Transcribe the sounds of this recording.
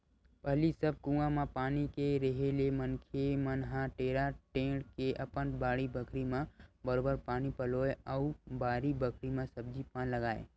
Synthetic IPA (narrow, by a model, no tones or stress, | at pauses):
pəɦlisəb̚kũãmãpaːnikeɾəɦelemənkʰemənɦãʈeːɾaʈẽːɽkeʔəpənbaːɽibəkʰɾimãbəɾoːbəɾpaːnipəloːeəubaːɾibəkʰɾimãsəb̚d͡ʒipãːnləɡaːḛ